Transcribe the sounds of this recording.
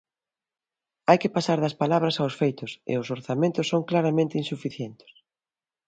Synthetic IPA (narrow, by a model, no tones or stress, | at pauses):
ajkɪpasaɾðɐspalaβ̞ɾɐsawsfejt̪ʊsɪ̰ʊsoɾθamẽnt̪ʊsːoŋklaɾamẽnt̪ɪinsufiθjɛnt̪ɪ̥s